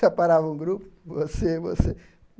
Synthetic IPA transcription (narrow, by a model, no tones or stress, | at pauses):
ɐpaɾavɐũɡɾupʊvosevo̰se